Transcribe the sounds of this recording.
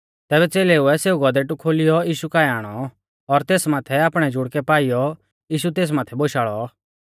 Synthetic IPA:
t̪ɛːbɛt͡seːleʊɛseːuɡɔd̪ɛʈukʰoːlɪjɔiːʃukaːɛaːɽ̃ɔ | ɔɾt̪eːsmaːt̪ʰɛaːpɽ̃ɛd͡ʒʊɽkɛpaːijɔ | iːʃut̪̬eːs̬maːt̪ʰɛboːʃaːɭɔ

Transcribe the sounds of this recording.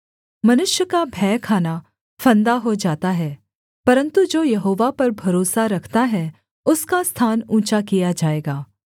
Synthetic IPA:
mɐnʊʃjəkabʱɛːkʰaːna | fʰɐ̃nd̪aɦod͡ʒaːt̪aɦɛː | pɐɾə̃nt̪ud͡ʒoːjɐɦoːʋapɐɾbʱɐɾoːsaɾɐkʰt̪aɦɛ | ʊskast̪ʰaːnũːt͡ʃakijad͡ʒaːeːɡaː

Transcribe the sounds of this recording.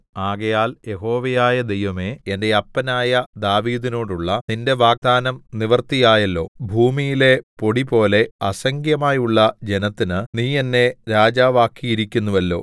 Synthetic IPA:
aːɣɐjaːlje̞ɦo̞ːʋɐjaːjɐd̪e̞jʋɐme̞ende̞ɐpːɐnaːjɐd̪aːʋiːðino̞ːɽuɭːɐninde̞ʋaːɡ̚d̪aːnɐmniʋɐrt̪ijaːjɐlːo̞ːbʱuːmijile̞po̞ɽipo̞ːle̞ɐsɐŋɡjɐmaːjuɭːɐd͡ʑe̞nɐt̪ːinɨniːe̞nːe̞ɾaːd͡ʑaːʋaːkːiiɾikʲːunːuʋɐlːo̞̰ː

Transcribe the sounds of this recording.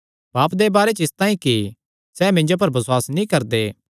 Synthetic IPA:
baːpd̪ebaːɾet͡ʃɪst̪aːĩki | sɛːmɪ̃nd͡ʒop̬ɐɾbɐswaːsnĩkɐɾd̪eː

